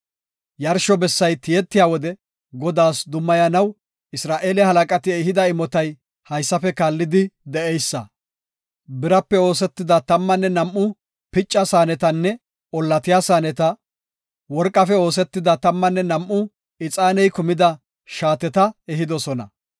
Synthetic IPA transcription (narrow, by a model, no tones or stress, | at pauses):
jɐɾʃɔbɛsːɐjt̪ɪjɛt̪ːɪjaːwɔd̪ɛ | ɡɔd̪aːsd̪ʊmːɐjɐnɐw | ɪsɾaːʔe̞ːlɪhɐlɐkʼɐt̪ɪɛɦɪd̪ɐɪmɔt̪ɐj | hɐjsːɐfɛkaːlːɪd̪ɪd̪ɛʔɛjsːɐ̰ | bɪɾɐpːɛo̞ːs̬ɛt̪ːɪd̪ɐt̪ɐmːɐnːɛnɐmʔːʊ | pɪt͡ʃʼːɐsaːnɛt̪ɐnːɛ | ɔlːɐt̪ɪjaːsaːnɛt̪ɐ | wɔɾkʼːɐfɛo̞ːs̬ɛt̪ːɪd̪ɐt̪ɐmːɐnːɛnɐmʔːʊ | ɪt͡sʼaːnɛjkʊmɪd̪ɐ | ʃaːt̪ɛt̪ɐɛɦɪd̪ɔsɔnɐ̰